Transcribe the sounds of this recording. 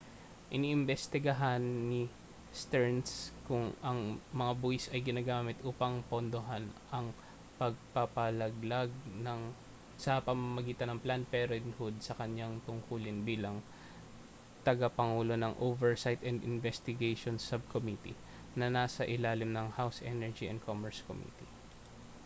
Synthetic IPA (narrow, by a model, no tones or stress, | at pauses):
ʔɪniːʔɪmbɛst̪ɪɡɐɦanːi | st̪ɛɹnskʊŋɐŋmɐŋaboɪsɐjɡɪnaːɡaːmɪt̪ʔuːpɐŋpond̪oɦanʔɐŋ | pɐɡ̚pɐpɐlɐɡ̚laɡ̚nɐŋ | sɐpɐmɐmɐɡiːt̪ɐnɐŋplanpɛɾoɪnhud̪̚sɐkɐɲjaŋt̪ʊŋkuːlɪnbiːlɐŋ | t̪ɐɡapɐŋuːlo̞nɐŋʔovɛɹsajt̪ɛnd̪ɪnvɛst̪ɪɡejʃonsɐb̚kʰomit̪ḭ | nɐnaːsɐʔɪlaːlɪmnɐŋhawsʔɛ̰nɛɹd͡ʒiɛ̰nd̪̚kʰomɛɹsko̰mḭt̪i